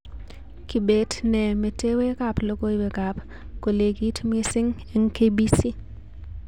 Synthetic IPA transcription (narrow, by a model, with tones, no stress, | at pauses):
ki˨betnɛ˨me˨te˦we˦kaplo˦ɡo˦bɛ˨kap | ko˨le˨ɡi˦tme˦sɪ˦ŋeŋkebisi˦